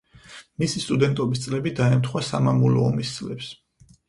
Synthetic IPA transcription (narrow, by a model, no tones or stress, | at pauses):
misist̪ʼud̪ɛnt̪ʼɔbist̪sʼlɛbid̪aɛmt̪ʰχwasa̰mamulɔːmist̪sʼlɛps